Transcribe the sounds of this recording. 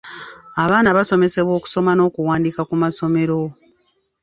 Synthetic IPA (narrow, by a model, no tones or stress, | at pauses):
aβaːnaβaso̞me̞se̞βwo̞ːku̥so̞mano̞ːkuwaːndiːkakumaso̞me̞ɾo̞